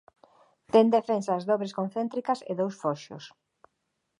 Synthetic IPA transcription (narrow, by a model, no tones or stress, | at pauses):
t̪end̪efensaːzðɔβɾeskõnθent̪ɾikɐsḛðowsfɔʃʊ̰s